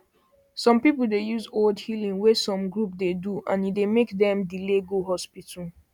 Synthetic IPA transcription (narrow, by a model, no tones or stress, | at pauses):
sɔ̃mpipəl̩dejuzoldhilĩŋwesɔ̃mɡɹupdeduã̰nidemekdɛ̃mdileɡoɦɔspitʰə